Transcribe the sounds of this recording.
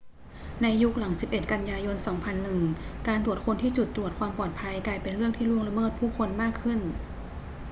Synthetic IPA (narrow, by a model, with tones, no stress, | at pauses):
na˧jːu˦˥k̚la˩˦ŋsi˨˩p̚ʔe˨˩t̪̚ka˧njaː˧jo˧nsɔː˩˦ŋpʰa˧nːɯ˨˩ŋkaː˧nt̪u˨˩ət̪̚kʰo˧nt̪ʰiː˥˩t͡ɕu˨˩t̪ːɾu˨˩ət̪̚kʰwaː˧mpɔː˨˩t̪̚pʰa˧jklaː˧jpe˧nɾɯ˥˩əŋt̪ʰiː˥˩lu˥˩əŋla˧mɤː˥˩t̪̚pʰuː˥˩kʰo˧nmaː˥˩kʰːɯ˥˩n